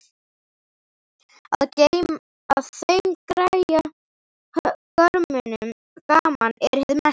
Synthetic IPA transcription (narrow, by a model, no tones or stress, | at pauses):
a̰ðce | aðθejmkɾaja | hkœɾmʏnʏm | kaːmanɛɾ̥hɛðʏmɛs